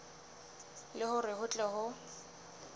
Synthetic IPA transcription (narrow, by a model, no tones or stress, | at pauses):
lɪhʊrɪhʊt͡ɬʼɛɦʊ